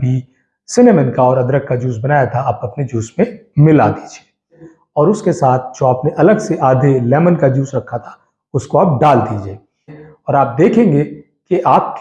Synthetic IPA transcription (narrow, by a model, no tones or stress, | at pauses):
bʱi | sɪnemə̃nkaɔːɾɐd̪ɾəkːad͡ʒuːsbɐnaːjat̪ʰaaːpɐpned͡ʒuːsmẽmɪla̰d̪iːd͡ʒieː | ɔːɾʊskesaːt̪ʰd͡ʒoaːpneʔɐləɡseʔaːd̪ʱelɛːmənkad͡ʒuːsɾɐkʰːat̪ʰḁ | ʊskoaːp̚ɖaːld̪iːd͡ʒeː | ɔːɾaːp̚d̪eːkʰẽːŋɡe | keʔaːp̚k